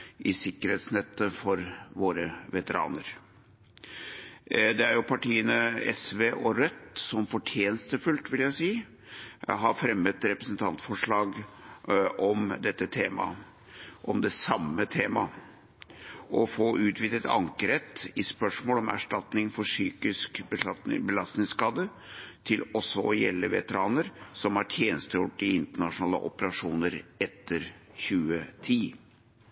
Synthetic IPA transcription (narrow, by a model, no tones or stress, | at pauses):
ʔɪsɪkːəɾheːt̪snɛt̪ːəfɔɾʋoːɾəʋɛt̪əɾɑ̰ːnəɾ | d̪ɛæɾjʊpʰɑʈiːənəɛsʋeːʔɔɾœt̪ːsɔmfɔʈʰjeːnəst̪əfʉlt̪ʋɪljæɪsiː | ɦɑɾfɾɛmːət̪ɾɛpɾɛsnt̪ʰɑnt̪fɔʂɭɑːɡ | ʔɔmd̪ɛt̪ːət̪ʰeːmɑ̰ | ʔɔmd̪ɛsɑmːət̪ʰeːmɑ̰ | ʔɔfoːʔʉːt̪ʰʋiːd̪ət̪ɑ̰ŋkəɾɛt̪ːɪspœʂmoːlɔmæ̰ʂʈɑt̪nɪŋfɔʂyːkɪskbəlɑst̪nɪŋskɑːd̪ə | t̪ʰɪlɔsːɔɔjɛ̰lːəʋɛ̰t̪əɾɑːnəɾsɔmhɑʈʰjeːnəst̪əjuʈɪɪnt̪əɳɑʂʊnɑːlə̰ʔɔpəɾɑʂuːnəɾɛt̪ːəɾçʉːət̪ʰiː